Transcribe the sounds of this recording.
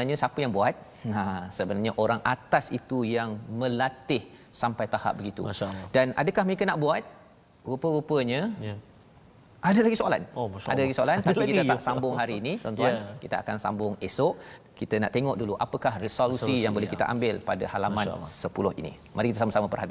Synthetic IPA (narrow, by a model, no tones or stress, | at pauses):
narɲasapəjaŋbuat̪̚ | ãsəbənarɲaʔoɾaŋʔat̪asit̪ujaŋmə̃lat̪ɪhsampajt̪aha̰p̚bəɡit̪ṵdana̰dəkahməɾekənaʔbuat̪̚ | ɣupəɣupəɲə | ʔadalaɡisoala̰nʃa̰dalaɡisoalant̪apikit̪əaʔsambʊŋɦaɾiːnit̪ɔnt̪uankit̪əakansa̰mbʊŋesɔʔ | kit̪əna̰ʔt̪eŋɔʔduluʔapəkahrisolusijaŋbolɛhkit̪əʔa̰mbɪlpada̰halamãsəpulʊhḭnḭ | mʔaɾikit̪əsamasamapərhat̪i